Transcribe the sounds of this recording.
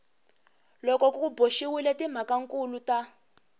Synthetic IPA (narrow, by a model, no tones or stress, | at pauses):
lɔkɔkukuboʃiwilɛtim̤akaŋ̩kuluta